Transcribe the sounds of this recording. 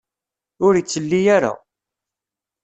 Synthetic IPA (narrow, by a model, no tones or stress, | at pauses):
ʊɾit͡sːəlːijaɾa̰